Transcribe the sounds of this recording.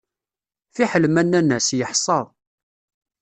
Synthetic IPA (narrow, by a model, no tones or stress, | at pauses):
θiħəlmænːænːæsjəħsˤɑðˤ